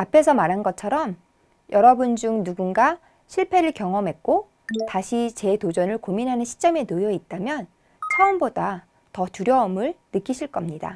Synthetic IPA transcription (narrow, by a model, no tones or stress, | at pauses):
apʰe̞s̬ʰʌmaɾɦanɡʌt͡ɕʰʌɾʌm | jʌɾʌbund͡ʑuŋnuɡunɡa | ɕʰiɭpʰe̞ɾɯɭkjʌŋʌmɦe̞k̚k͈o | taɕʰit͡ɕe̞tod͡ʑʌnɯɭkominɦanɯnɕʰi̥t͡ɕ͈ʌme̞nɯjʌit̚t͈amjʌn | t͡ɕʰʌɯmboda | tʌtuɾjʌʌmɯɭnɯk͈iɕʰiɭk͈ʌmɲida̰